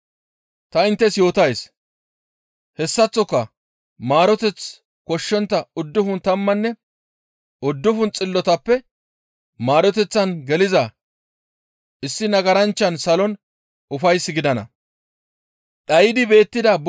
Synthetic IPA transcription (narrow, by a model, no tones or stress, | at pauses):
t̪ɐɪnt̪ːɛsjo̞ːt̪ɐjs | hɛsːɐt͡sːɔkːɐ | maːɾɔt̪ɛt͡s | kɔʃːɛnt̪ːɐʊd̪ːʊfʊnt̪ɐmːɐnːɛ | ʊd̪ːʊfʊnt͡sʼɪlːɔt̪ɐpːɛ | maːɾɔt̪ɛt͡sːɐnɡɛlɪzɐ | ʔɪsːɪnɐɡɐɾɐnt͡ʃːɐnsɐlɔn | ʔʊfɐjsɡɪd̪ɐnɐ̰ | ᶑɐjɪd̪ɪbe̞ːt̪ːɪd̪ɐb